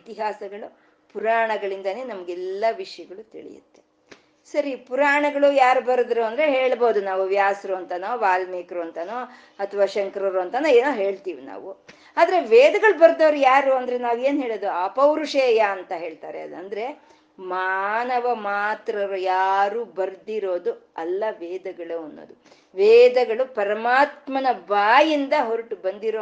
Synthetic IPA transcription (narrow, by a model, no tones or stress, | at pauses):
it̪iɦaːsɐɡɐɭu | puɾaːɳɐɡɐɭind̪ɐne̞ːnɐmɐɡɛlːɐʋiʂɐjɐɡɐɭut̪ḭɭḭjṵt̪ːe̞ | sɐɾipuɾaːɳɐɡɐɭujaːɾubɐɾɐd̪ɾuɐnd̪ɾeɦeːɭbo̞ːd̪unaːʋuʋjaːsɾuɐnt̪ɐnoːʋaːlmeːkɾuɐnt̪ɐno | ɐt̪ʰɐʋaːʃɐŋkɾɐɾuɐnt̪ɐnueːnuːɦe̞ːɭt̪iːʋina̰ːʋu | aːd̪ɐɾe̞ʋeːd̪ɐɡɐɭubɐɾd̪oːɾujaːɾuːɐnd̪ɐɾenaːʋe̞ːnɦe̞ːɭoːd̪uɐpɐwɾuʂeːjɐːnt̪ɐɦe̞ːɭt̪aːɾḛɐd̪ɐnd̪ɐɾe̞ | maːnɐʋɐmaːt̪ɾɐɾujaːɾuːbɐɾd̪iɾo̞ːd̪uɐlːɐʋɛːd̪ɐɡɐɭuɐnːo̰ːd̪u | ʋɛːd̪ɐɡɐɭupɐɾɐmaːt̪mɐnɐbaːjind̪ɐɦoɾuʈubɐnd̪iɾoː